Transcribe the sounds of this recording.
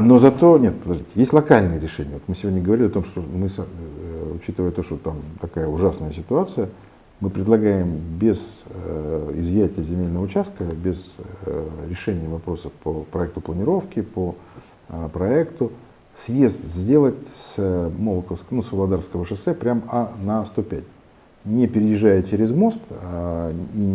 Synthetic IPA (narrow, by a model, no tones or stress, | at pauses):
no̞zɐt̪o̞nʲet̪̚pəd̪ɐʐd̪ʲitʲɪjesʲtʲlˠɐkalʲnɨjəɾʲɪʂɛnʲɪjəvot̪mɨsʲɪvʲodʲnʲəɡəvɐɾʲilʲɪɐt̪o̞mʂt̪omɨs | ʊt͡ɕit̪ɨvəjt̪oʂt̪ot̪amt̪ɐkajəʊʐasnəjəsʲɪt̪ʊat̪sɨjə | mɨpɾʲɪd̪lˠɐɡajɪmbʲɪzəɪzvjætʲɪjəzʲɪmʲelʲnəvəʊt͡ɕæst̪̚kəbʲɪz | ɾʲɪʂɛnʲɪjəvɐpɾo̞səfpəpɾɐɛk̚t̪ʊplˠənʲɪɾo̞fkʲɪpə | pɾɐɛkt̪ʊ | svʲest̪zʲdʲe̞lˠətʲsmolˠəkəfsknusvəlˠɐd̪arfskəvəʂɨsɛpɾʲamanɐst̪o̞pʲæt̚ʲ | nʲɪpʲɪɾʲɪjɪʐajət͡ɕeɾʲɪzmo̞st̪